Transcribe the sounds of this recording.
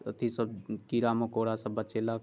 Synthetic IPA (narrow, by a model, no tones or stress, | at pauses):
ə̰t̪ʰisəb̚kiɾamekoɽasəbːət͡ʃela